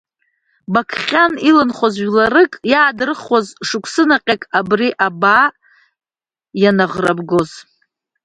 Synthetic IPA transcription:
bakʰχʲanilɨnχʷozʒlaɾɨkʼjaːdɨrɨχazʂɨkʷʰsɨnaqʲʼakʼabriʔabaː | janaʁrabɡo̞z

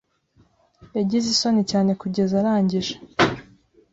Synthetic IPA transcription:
jaɟizisonecaːne̞kuɟe̞zaɾaːɲɟiʒḁ

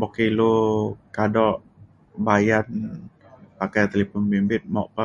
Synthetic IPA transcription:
bokilokadɔʔ | bajan | pakajt̪elipɔnbimbɪt̪̚mɔʔpa

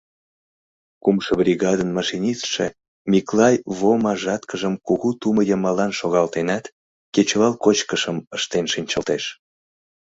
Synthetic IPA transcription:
kumʃəbɾʲiɣɑd̪ənmɑʃinʲisʃḛ | mʲiklɑjβomɑʒɑt̪kəʒəmkuɣut̪uməjəmɑlɑnʃoɣɑlt̪enɑt̪ | ket͡ɕβɑlkot͡ɕkəʃəməʃt̪enʃinʲt͡ɕəlt̪eʃ

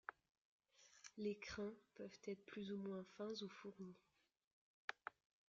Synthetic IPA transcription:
lekχɛ̃pœv̥t̪ɛt̪χəplyzumwɛ̃fɛ̃zufuʁni

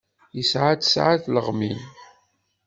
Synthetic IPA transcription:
jəsʕat͡s̪sʕaθləʁmin

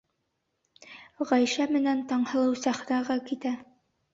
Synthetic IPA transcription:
ʁæjʃæmɘ̆nænt̪ɑɴhɤ̆lˠɤwsæχnɑʁɑkit̪æ

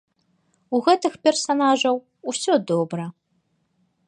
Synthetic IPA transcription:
uɣɛt̪ɨxpʲɛrsanaʐɐw | usʲɔd̪ɔbɾɐ

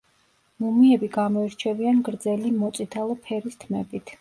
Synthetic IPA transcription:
mumiɛbiɡamɔiɾt͡ʃʰɛvianɡɾd̪zɛlimɔt̪sʼit̪ʰalˠɔpʰɛɾist̪ʰmɛbit̪ʰ

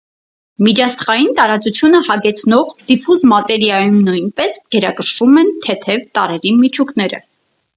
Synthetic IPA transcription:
mit͡ʃʰɑsχɑjint̪ɑɾɑt͡sut͡sʰjunəhɑɡɛt͡sʰnɔʁd̪̥ipʰusmɑt̪ɛɾjɑjumnujnpɛsɡ̥ɛɾɑkəʃvumɛnt̪ʰɛt̪ʰɛvt̪ɑɾɛɾimit͡ʃʰuknɛɾə̰

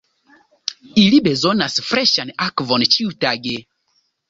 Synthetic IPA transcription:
ilibɛzɔnasfrɛʃanʔakvɔnt͡ʃiutaɡe

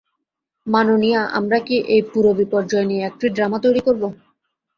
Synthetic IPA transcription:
manonijaʔa̰mɾakiʔejpuɾobipɔɾd͡ʑɔenieɛk̚ʈɾiɖɾamat̪ojɽikoɾbo

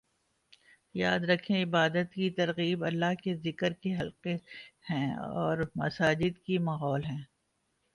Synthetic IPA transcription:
jaːd̪ɾɐkʰẽɪbaːd̪ət̪kit̪ɐɾɣiːbɐlːaɦkezɪkəɾkeɦɐlqehɛ̃ɔːɾmɐsaːd͡ʒɪd̪kimaːɦɔːlɦɛ̃ː

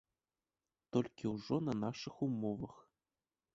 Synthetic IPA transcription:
t̪olʲkʲiuʐonanɑʂɨxumovɤx

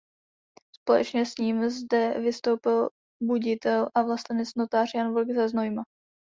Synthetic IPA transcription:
spo̞lɛ̰t͡ʃɲɛsɲiːmzdɛvɪst̪o̞wpɪl | buɟɪt̪ɛlʔavlast̪ɛnɛt͡sno̞t̪aːr̝janvolɡzaznojma

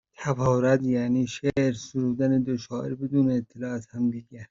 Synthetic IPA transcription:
t̪ʰæfɒːɾæd̪jæːniːʃeʔɾsuɾuːd̪æned̪oʃɒːʔeɾbed̪uːneːt̪ʰːelɒːæzhæmd̪iːɡæ

